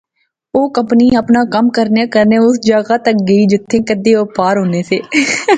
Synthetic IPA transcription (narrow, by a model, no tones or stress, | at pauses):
oːkə̃mpniːəpnaːkəmkəɾneːkəɾneːʊsd͡ʒaːɡaːt̪ək̚ɡəiːd͡ʒɪt̪ʰːẽːkəd̪eːoːpaːɾɦoːneːseː